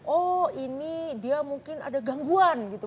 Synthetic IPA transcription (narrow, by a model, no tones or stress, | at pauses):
ʔɔinidiamuŋkɪna̰daɡaŋɡuanɡit̪u